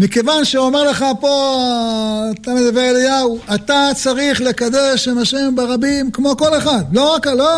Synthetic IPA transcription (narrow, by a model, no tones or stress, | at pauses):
mikevanʃeomeʁle̞χapo̞ː | t̪amed̪abeʁlejauat̪at͡saʁiχle̞kad̪eʃemhaʃe̞mbeʁabimkmo̞ko̞le̞χad̪lo̞ʁakalo